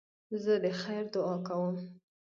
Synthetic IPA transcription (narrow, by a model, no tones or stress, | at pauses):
zəd̪əxajɾd̪ʊɑkawəm